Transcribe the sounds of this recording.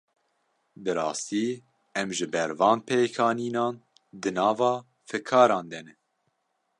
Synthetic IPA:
d̪ɨɾɑːst̪iː | ɛmʒɨbɛɾvɑːnpʰeːkʰɑːniːnɑːn | d̪ɨnɑːvɑː | fɨkʰɑːɾɑːnd̪ɛnɛ

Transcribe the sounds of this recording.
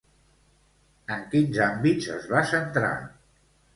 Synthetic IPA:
əŋkinzambizə̰zβasənt̪ɾa̰

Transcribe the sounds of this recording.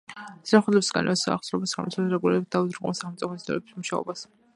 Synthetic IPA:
sɾaχwɛd̪lɛbisɡa̰n̰ɛsaa̰χsɾɔbasa̰mḭt̪ʰad̪ɾɛɡuliɾɛbit̪̚d̪auzɾqʼɔmɛsaχɛmt̪sʼipʰɔsd̪ɛ̰ɾɛbi̥smuʃaɔ̰bas

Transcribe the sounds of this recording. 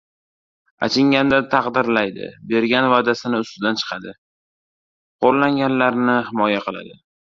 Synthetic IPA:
a̰t͡ʃʰɪŋɡʲand̪at̪ʰɑqd̪ɪɾlajd̪ɪ̰be̞ɾɡʲanvad̪asɪnɪʊst̪ɪd̪ant͡ʃʰɨ̥qʰɑd̪ɪ | qʰoɾlaŋɡʲanlaɾnɪhɪmɒjaqɨlˠa̰d̪ɪ

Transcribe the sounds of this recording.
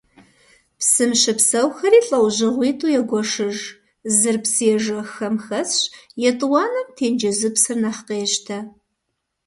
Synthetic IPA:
psɨmɕɪpsɐwxɐriːɬʼɐwʑɪʁʷiːtʼuːjɛɡʷɔʂɨʒ | zɨrpsɨɛʒɐxɐmxɐsɕjɛtʼwɑːnɐmtʰeːnd͡ʒɐzɨpsɨrnɐχqeːɕtʰɐ

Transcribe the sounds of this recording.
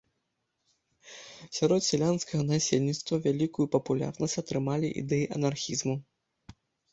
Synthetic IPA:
sʲaɾɔt̪sʲɛlʲanskɐɣɐnasʲelʲnʲit̪st̪vɐvʲalʲikujupɐpulʲa̰rnɐsʲt͡sʲat̪ɾɨmalʲiʔḭd̪ɛjiʔɐnarxʲizmu

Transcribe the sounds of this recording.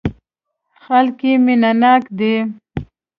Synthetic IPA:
xalkimɪnanɑkd̪e

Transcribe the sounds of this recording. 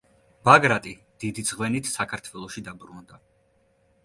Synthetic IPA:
baɡɾat̪ʼi | d̪̥id̪izʁwɛnit̪ʰsakʰaɾt̪ʰwɛlˠɔʃid̪abɾund̪a

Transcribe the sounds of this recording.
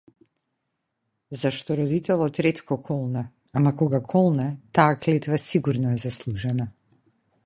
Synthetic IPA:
zaʃt̪ɔɾɔd̪it̪ɛlˠɔt̪ɾɛt̪kɔkʰɔlˠna | amakɔɡakʰɔlˠnat̪aːklɛt̪vasiɡuɾnɔɛzaslˠuʒɛna

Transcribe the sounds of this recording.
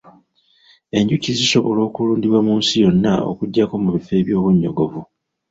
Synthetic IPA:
e̞ɲɟuciziso̞βo̞lo̞ːkuluːndiβwamuːnsijo̞nːao̰kuɟːako̞muβife̞ːβjo̞ːβuɲːo̞ɡo̞vu

